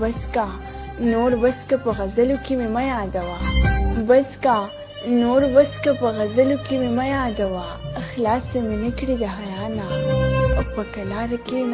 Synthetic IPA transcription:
baska | noɾwaskapəɣazalokememajɑd̪awabaska | noɾwaskapəɣazalokememajɑːd̪awa | xlɑːsamenəkɽid̪aɦajɑnaawpəkalɑɾken

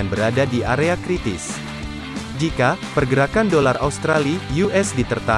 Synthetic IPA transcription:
anbəɾadadiʔaɾeakɾit̪ɪs | d͡ʒikapərɡəɾakandolaraust̪ɾalijuʔɛsdit̪ərt̪a

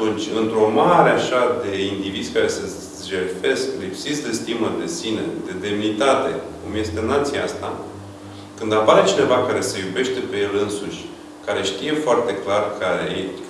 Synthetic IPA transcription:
t̪unt͡ʃʲɨnt̪ɾo̞maɾeaʃad̪e̞ind̪ivid̪zʲkaɾe̞sə | ʒelfe̞sklipsit̪sʲd̪e̞st̪iməd̪e̞sine̞̰d̪e̞d̪e̞mnit̪at̪e̞̰kumje̞st̪e̞nat̪siaast̪a̰ | kɨnd̪apaɾe̞t͡ʃine̞vakaɾe̞se̞jube̞ʃt̪e̞pe̞je̞lɨnsuʃʲ | kaɾe̞ʃt̪ije̞foart̪e̞klarkae

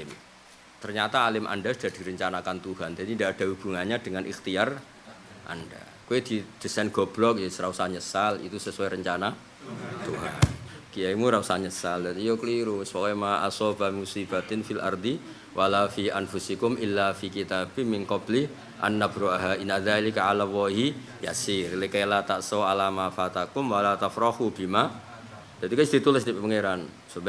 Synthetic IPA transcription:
ɪm | t̪ərɲat̪aːlɪmʔa̰ndasud̥ahd̥iɾəɲt͡ʃanakant̪uɦand͡ʒ̥adindaːd̥aɦub̥uŋaɲad̥əŋanʔḭxt̪iar | ʔa̰nda̰ | kuedid̪̥isɛnɡ̥ɔb̥lɔk̚jasɾausaɲəsalḭt̪usəsuɛɾəɲt͡ʃana | t̪uɦankjaimuɾausaɲəsald̪at̪ijokəliɾʊspokajmaʔasɔbamusibat̪ɪnfilʔa̰rd̪i | wʔalafiʔanfusikʊmʔɪlːafikit̪abɪhmɪnkɔblɪh | ʔa̰nːabɾuaɦainaðalikaʕalawaɦi | ja̰sɪrlekajalat̪aʔsoalamafat̪akʊmwalat̪afɾahubima | d̥̪at̪ikaist̪ɾit̪ulɪsd̪ipɛpəŋeɾan | sub

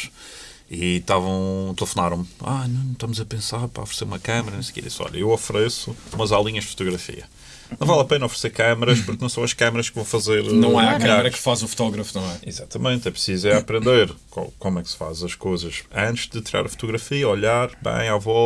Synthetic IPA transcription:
it̪avɐ̃w̃t̪lˠɨfunaɾɐ̃w̃ma̰nɐ̃w̃ʃt̪ɐmuzɐpẽsaɾpɾɐ̰ɔfɾseɾumɐkɐmɐɾɐnɐ̃skḛɾḭsɔ̰ʎɐ̰ewɐfɾɛsuumɐzalˠiɲɐʒd̪fu̥t̪uɣɾɐfḭɐ | nɐ̃w̃valˠɐpẽnɐɔfɾseɾkɐmɐɾɐʃpuɾknɐ̃w̃sɐ̃w̃ɐʃkɐmɐɾɐʃkvɐ̃w̃fɐzeɾnɐ̃w̃aakɐaɐɾɐkfazufu̥t̪ɔɣɾɐfunɐ̃w̃ɛizat̪ɐmẽnt̪ɛpɾsizɛɐpɾẽnd̪eɾka̰komwɛksɨ̥fa̰zɐʃkojzɐʃɐ̃nt̪ɨʒ̥d̪ɨt̪iɾa̰ɾɐfu̥t̪uɣɾɐfiɐɔʎaɾbɐ̰̃j̃avɔ

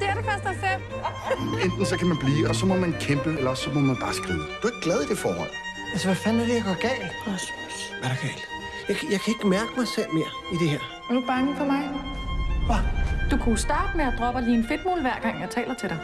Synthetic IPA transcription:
d̥e̝æɐɾefæɐsd̥ɑɪsel | end̥n̩sɒkʰæmænb̥liːɒ̽sɒ̽mɒ̽mænkʰemb̥əelɐɒ̽sːɒ̽mɒ̽mænb̥ɑ̈ːsɡ̥ʁiːd̥uɐeɡ̥̚ɡ̥lɛð̞ˠid̥e̝fɒ̰ːhɒ̽l̰ | ælsəʋæfænæɐdejɑɡ̥ɒɡ̥ɛ̰ːl | ʋæɾ̥ɑkʰɛl̥ | jɑɪkʰjɑaɪkʰæe̝ɡ̥əmæɐɡ̥əmɑ̈ɪsel̰me̝ːɐ | id̥e̝heɐ̰ | æɐd̥ub̥ɑ̈ŋəfɒ̽mɑ̈ɪ | ʋɑd̥ukʰusd̥ɑ̈ːd̥əmeæd̥ʁɒ̽b̥ɐliːenfe̝d̥̚mo̝̰ːlʋæɐ̰ɡ̥ɑ̈ŋ̰jɑ̈ɪt͡sʰɛ̰ːlɐt͡sʰe̝ɾ̥ɑɪ

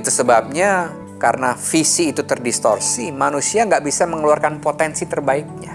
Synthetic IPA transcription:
t̪usəbap̚ɲa | kaɾənafisiːt̪ut̪ərdist̪o̰rsimanusiaŋɡaʔbisaməŋəluarkanpot̪ɛnsit̪ərbaik̚ɲa

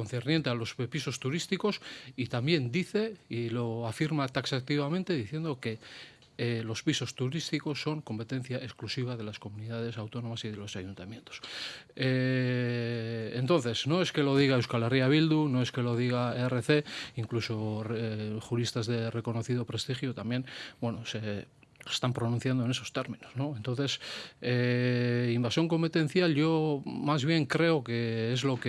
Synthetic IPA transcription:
konθernje̞nt̪ealo̞spiso̞st̪uɾist̪iko̞sit̪ambje̞nd̪iθe̞ilo̞afiɾmat̪aksak̚t̪iβamẽ̞nt̪e̞ðiθje̞nd̪o̞ke̞ | lo̞spiso̞st̪uɾist̪iko̞sːo̞ŋko̞mpe̞t̪ẽ̞n̟θjaʔe̞sklusiβaðe̞lasko̞muniðað̞e̞sawt̪o̞no̞masið̞e̞lo̞sajunt̪amjẽ̞nt̪o̞̥se | nt̪o̞nθe̞sno̞e̞ske̞lo̞ð̞iɣ̞aewskaleriaβild̪uno̞e̞ske̞lo̞ð̞iɣ̞aere̞θe̞iŋklusorχuɾist̪azðe̞re̞ko̞no̞θið̞o̞pɾe̞st̪ixjot̪amje̞nbwenose̞ | e̥st̪ampɾo̞nũn̟θjand̪oe̞ne̞so̞st̪e̞ɾmĩnozno̞ent̪onθe̞se | imbasjo̞ŋko̞mpe̞t̪ẽ̞n̟θjalʝo̞mazβje̞ŋkɾe̞oke̞ezlo̞k

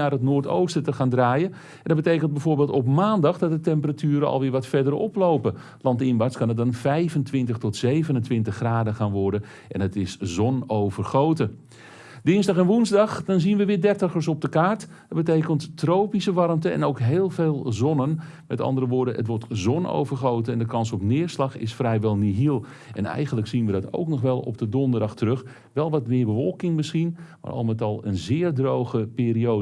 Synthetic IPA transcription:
arɦətnoːrto̰wstətəxaːndraːjə | ɛndɑd̚bətejkənt̚bɛjvoːɹbeːlˠtɔpmaːndɑχdɑt̚dətɛmpəratyːɾəɑ̰lˠʋɪːɹʋɑtfɛdərɔ̰plowpə | lɑntɪnʋaskɑnət̚dɑnfɛjvəntʋɪntəχtɔtsejvənəntʋɪntəχːraːdəxaːnʋɔɹdə | ʔɛ̰nətɪszɔnowvərχowtə | dɪnzdɑχɛnʋunzdɑxdɑnzinʋəʋɪːdɛrtəxəɹs̬ɔb̚dəkaːɹt | ədbətejkənttrowpisəʋɑɾmtəɛ̰nowkɦeːlˠveːlˠzɔnən | mɛtɑ̰ndərɾəʋʊːɹdəə̰tʋɔɹtzɔno̰wvərχowtəɛndəkɑnsɔpnɪːrslɑxɪ̰sfrɛjʋɛlˠniɦilˠ | ʔɛ̰nɛ̰jɣənləksinʋədɔto̰wknɔχʋɛlˠɔ̰p̚dədɔndərdɑxtərøx | ʋɛlˠʋɑtmɪːrbəʋɔlˠkɪŋmɪsχinma̰rʔɑ̰lˠmətɑlˠənzɪːrdrowxəpɪːɾiow

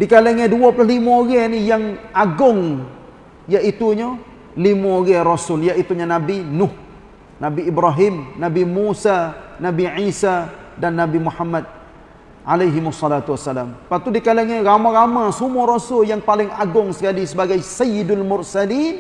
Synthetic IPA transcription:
dikalaŋaduapəlaɦlimuoɡɛnijaŋaɡʊŋ | jaʔit̪uɲa | limuoɣɛɾosʊljaʔit̪uɲanabinʊh | nabiːbɾaɦɪmnabimusanabiʕisa | danːabimuħamːad̪̚ | ʕalajɦɪmʊsːɔlat̪uasːalampat̪udikalaŋaɾamaɣamasumuaɾosʊljaŋpalɪŋaɡʊŋsə̥kalisəbaɡajsajidalmʊrsalin

